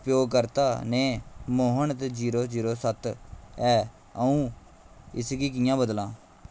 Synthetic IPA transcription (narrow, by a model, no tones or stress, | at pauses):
pjoːɡkəɾt̪aːneːmoːɦəɳt̪d͡ʒiːɾoːd͡ʒiːɾoːsət̪ɛː | əũː | ɪsɡiːk̬ɪjãːbəd̪lãː